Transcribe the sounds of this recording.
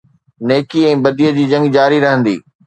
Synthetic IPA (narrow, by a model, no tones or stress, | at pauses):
neːkiɛ̃ːbɐd̪iːəd͡ʑiːd͡ʑɐ̃ŋɡd͡ʑaːɾiɾɐɦə̃nd̪ḭː